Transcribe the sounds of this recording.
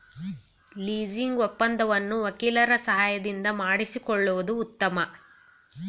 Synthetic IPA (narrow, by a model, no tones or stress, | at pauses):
liːd͡ʒiŋɡɔpːɐnd̪ɐʋɐnːuʋɐkiːlɐɾɐsɐɦaːjɐd̪ind̪ɐmaːɽisikɔɭːuʋɐd̪uːt̪ːɐmɐ